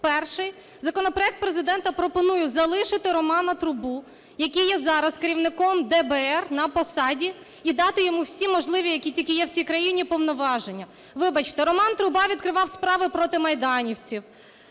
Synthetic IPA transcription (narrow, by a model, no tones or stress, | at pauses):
pɛrʃɪj | zɐkɔnɔpɾɔɛk̚t̪̚pɾezɪd̪ɛnt̪ɐpɾɔpɔnujʊzɐlˠɪʃɪt̪ɪɾɔmɑnɐt̪ɾʊbu | jɐkʲijɛzɑɾɐskeɾʲiwnɪkɔmd̪ɛbɛɛrnɐpɔsɑdʲi | id̪ɑt̪ɪjɔmuwsʲimɔʒlˠɪʋʲijɐkʲitʲilʲkɪjɛwt͡sʲijkɾɐjinʲipɔwnɔʋɑʒenʲːɐ | ʋɪbɐt͡ʃt̪ɛɾɔmɑnt̪ɾʊbɑʋʲid̪̚kɾɪʋɑwspɾɑʋɪpɾɔt̪ɪmɐjd̪ɑnʲiwt͡sʲiw